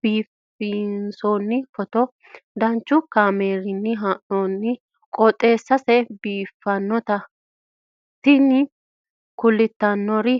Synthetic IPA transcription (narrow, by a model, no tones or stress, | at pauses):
b̥iːf | insoːnːɪfɔt̪ɔ | d̪ɐnt͡ʃːʊkaːmeːɾɪnːɪɦaːʔoːnːɪ | kʼɔt̪ʼːe̞ːsːɐsɛbiːfːɐnːɔt̪ɐ | t̪ːɪnːɪ | kʊlːɪt̪ːɐnːɔɾɪ